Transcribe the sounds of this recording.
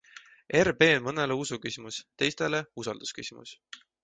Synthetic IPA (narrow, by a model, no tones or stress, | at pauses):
ʔe̞rbe̞ːnmɤne̞leusukysʲimust̪e̞jst̪e̞le̞usɑld̪̥u̥skysʲimṵs